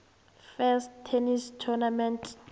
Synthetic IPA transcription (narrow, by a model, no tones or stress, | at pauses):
fɛstʰːenistʰɔnamɛntʰ